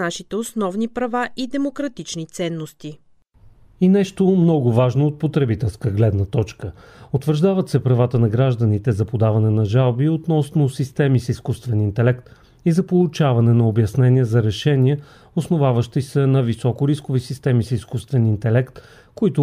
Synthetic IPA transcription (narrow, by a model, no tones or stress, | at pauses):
aʃit̪ɛosnɔvnipɾɐvaʔid̪ɛmokɾɐt̪it͡ʃnit̪sɛnːost̪i | inɛʃt̪omnɔɡʊvaʒnoot̪̚pot̪ɾɛbit̪ɛlˠskəɡlɛd̪nət̪ɔt͡ʃkə | ot̪vəɾʒd̪avət̪sɛpɾɐvat̪ənɐɡɾaʒd̪ənit̪ɛzɐpod̪avɐnɛnɐʒalˠbiot̪nɔsnosist̪ɛmisiskust̪vɛnint̪ɛlɛkt̪ | izɐpolˠʊt͡ʃavɐnɛnɐobjɐsnɛniəzɐɾɛʃɛniɛ | osnovavəʃt̪isɛnɐvisɔkʊɾiskovisist̪ɛmisiskust̪vɛnint̪ɛlɛkt̪ | koit̪ʊ